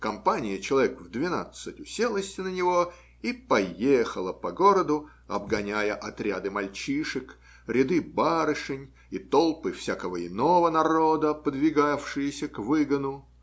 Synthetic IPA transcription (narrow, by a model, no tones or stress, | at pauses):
kɐmpanʲɪjət͡ɕɪlˠɐvʲekvd̪vʲɪna̰t̪sɨtʲʊsʲelˠəsʲtʲɪnənʲɪvo̞ | ipɐjexəlˠəpɐɡo̞ɾəd̪ʊ | ɐbɡɐnʲæjəʔɐt̪ɾʲad̪ɨmɐlʲt͡ɕiʂɨk | ɾʲɪd̪ɨbaɾɨʂɨnʲ | it̪olˠpɨfsʲakəvəɪnovənɐɾo̞d̪əpəd̪vʲɪɡafʂɨjəsʲəkvɨɡənʊ